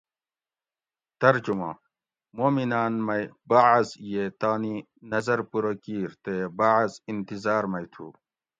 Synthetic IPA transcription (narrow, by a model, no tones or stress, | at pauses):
t̪ɐɾd͡ʑumaː | moːminaːnmɐjbaʕzjet̪aːni | nɐzɐɾpuɾɐkiːɾt̪ebaʕɐzint̪izaːɾmɐjt̪ʰṵ